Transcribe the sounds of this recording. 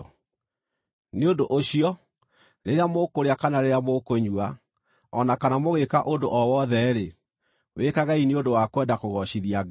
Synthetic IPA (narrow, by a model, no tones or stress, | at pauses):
neondoʔoɕiɔ | ɾeɾeamokoɾeakanaɾeɾeamokoɲua | ɔnakanamoɣekaʔondoʔɔwɔðɛɾe | wekaɣaineondowakwɛndakoɣɔɕiðia